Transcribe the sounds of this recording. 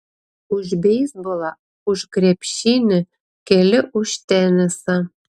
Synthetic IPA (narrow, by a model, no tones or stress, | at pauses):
uʒbʲejsbolˠɑ | uʃkrʲepɕinɘ̆ | kelʲɘ̆ʔuɕt̪enɘ̆sɑ